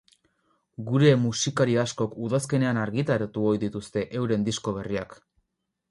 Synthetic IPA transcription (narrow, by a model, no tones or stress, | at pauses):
ɡuɾe̞musikaɾiasko̞kuðaske̞ne̞anaɾɣit̪aɾat̪uojðit̪ust̪e̞ʔewɾe̞nd̪isko̞βe̞riak